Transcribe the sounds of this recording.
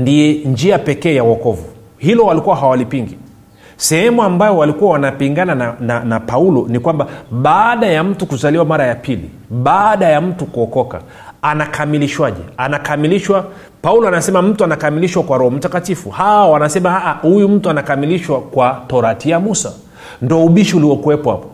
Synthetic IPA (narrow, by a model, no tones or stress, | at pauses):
ndiɛnd͡ʒiapɛkɛːjawɔkɔvu | hilɔwalikuwaɦawalipiŋɡi | sɛhɛmuambajɔwalikuwawanapiŋɡananananapaulɔnikwambaɓaːɗajam̩tukuzaliwamaɾajapilḭ | ɓaɗajam̩tukuɔkɔka̰ | anakʰamiliʃwaʄɛ̰anakamiliʃwa | paulɔanasɛmam̩tuanakamiliʃwakwaɾɔhɔm̩takatifuhaawanasɛmahaʔahujum̩tuanakamiliʃwakwatɔɾatiamusa | ndɔɔuɓiʃiuliɔkuwɛpɔha̰pɔ̥